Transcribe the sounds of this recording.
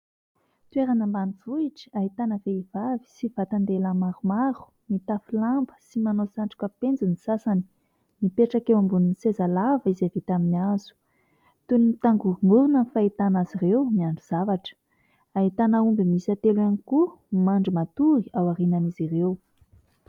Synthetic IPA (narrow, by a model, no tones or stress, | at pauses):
t̪ueɾanəmbaniv̥uiʈ͡ʂi̥ait̪anəveivavi̥sivat̪and̪elamaɾumaɾu̥ | mit̪afilambə̥simanosaɳʈ͡ʂu̥kəpend͡zunisasani̥ | mipeʈ͡ʂakewambuninisezalavizevet̪aminiazu̥ | t̪unit̪aŋɡuŋuɾunəfait̪anazirewmiaɳɖ͡ʐuz̥avaʈ͡ʂə̥ | ait̪anaumbimisat̪eluaniku | maɳɖ͡ʐimat̪uɾiawaɾinanizirew